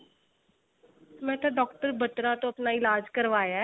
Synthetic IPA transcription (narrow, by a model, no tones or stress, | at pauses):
mɛ̃ːt̪ãːɖɔːkʈəɾbət̪ɾãːt̪õːəpnaːɪlaːd͡ʒkəɾʋaːjaːɛ